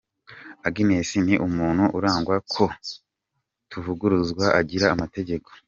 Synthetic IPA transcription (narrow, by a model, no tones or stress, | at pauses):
aɡimesiniʔumuːn̥huʔuɾaːŋɡwakʰo̞ | tuvuɡuɾuzɡwaʔaɟiɾaːmate̞ɟe̞ko̞̥